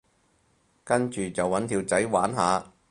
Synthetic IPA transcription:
kɐ˥nt͡ʃyː˨t͡sɐ˨wːɐ˨˥nt̪ʰiː˧wt͡sɐ˨˥jwaː˨˥nɦaː˨˧

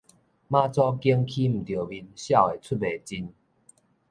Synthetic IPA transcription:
mã˦t͡sɔ˦ki˦əŋkʰi˦m̩˨˩t̪jə˨˩bi˧˩nɕja˥˧˨we˨˩t͡sʰu˥˩t̚be˨˩t͡ɕi˧n

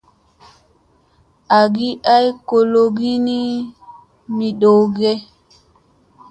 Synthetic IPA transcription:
a˨ɡi˦ʔa˦jko˨lo˨ɡi˦ni˦ | mi˨ɗo˨ɡɛ˦

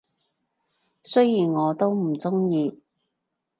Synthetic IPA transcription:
sɵ˥jiː˨˩nŋɔː˨˧t̪o˥wm̩˨˩t͡sʊ˥ŋjiː˨˧

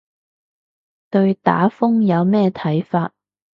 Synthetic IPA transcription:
t̪ɵ˧ɥt̪a̰ː˨˥fʊ˥ŋjɐ˨˧wmɛː˥t̪ʰɐ˨˥jfaː˧t̚

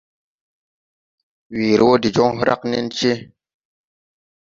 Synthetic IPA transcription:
wiː˨ɾi˨wo˦di˨d͡ʒo˦ŋɦɾʔa̰˦knḛ˦nt͡ʃe˦

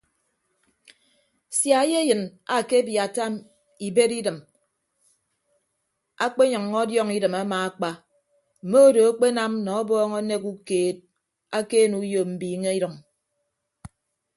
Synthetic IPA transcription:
sja˨˦je˦jɨ˨na˨ke˦bja˨ta˦m | i˨be˦ɾi˦dɨ˨m | a˦k͡pe˦ɲɔ˨ŋːɔ˦djɔ˦ŋi˦dɨ˨ma˦maː˨a˦k͡pa˦ | m̩˨mo˦o˦do˨a˦k͡pe˦na˦mnɔ˨ɔ˦bɔː˦ŋɔ˦ne˦ku˦keː˨t̚ | a˦ke˦nu˨˦jo˨m̩˨biː˨ŋe˦i˦ɾɔ˨ŋ

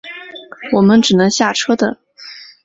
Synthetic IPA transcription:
wɔ˨˩mə˦nʈ͡ʂɻ̩˨˩nɤ˧˥ŋɕja˥˩ʈ͡ʂʰɤ˥d̪ə̰˨

